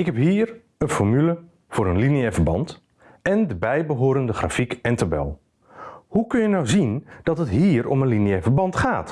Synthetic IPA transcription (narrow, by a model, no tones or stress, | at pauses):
ɪkɦɛpɦiːɹ | ənfɔɹmylə | v̥ʊːɾənliniəvəɹbɑ̰nt | ʔɛndəbɛjbəɦʊːɾəndəχra̰fikɛntabɛ̰lˠ | hukɵnjənɑwzind̥ɑtɦətɦiːɹɔmənliniɛvəɹbɑntχaːt